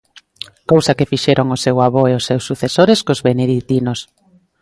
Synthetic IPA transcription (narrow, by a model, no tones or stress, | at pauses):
kowsakefiʃeɾoŋosewaβoeosːewsːuθesoɾeskozβeneðit̪inos